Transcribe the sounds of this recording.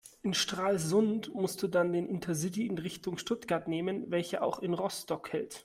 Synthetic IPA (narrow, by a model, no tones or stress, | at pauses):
ʔʔɪnʃtʁ̥aːlzʊntmʊstd̥uːdandeːnʔɪntʰɐzɪtiɪnʁɪçtʊŋʃtʊtɡ̥aɐtneːmənvɛlçəʔa̰ʊxɪnʁɔstɔkhɛlt